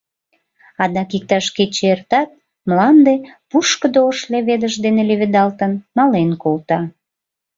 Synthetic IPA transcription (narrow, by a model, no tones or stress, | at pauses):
ɑd̪ɑkik̚t̪ɑʃket͡ɕert̪ɑt̪̚ | mlɑmd̪epuʃkəd̪ooʃleβed̪əʒd̪eneleβed̪ɑlt̪ənmɑlenkolt̪ɑ